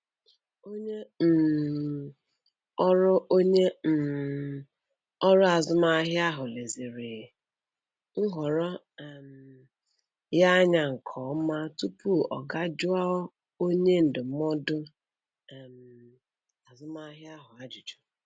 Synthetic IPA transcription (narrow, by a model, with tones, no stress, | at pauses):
o˦ɲe˦˨ | ɔ˦ɾʊ˦o˦ɲe˦˨ | ɔ˦ɾɔ˦a˨zʊ˦ma˦ɦjɪ˦a˦ɦʊ˨le˨zi˨ɾe˨ | ŋ̩˦ɦɔ˨ɾɔ˦ | ɛ˨m̩ | ja˦ɲa˨ŋ̩˨kʰɔː˨˦ma˦tu˦pu˦ɔ̰˨ɡa˦d͡ʒʊ˦a˦ | o˦ɲe˦n̩˨dʊ˨m˦ɔ˦dʊ˦˨ | m̩˨ | a˨zʊ˦ma˦ɦɪ˦a˦ɦʊ˨a˦d͡ʒi˨d͡ʒʊ̥˨